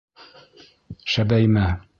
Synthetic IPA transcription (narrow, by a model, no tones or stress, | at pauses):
ʃæbæjmæ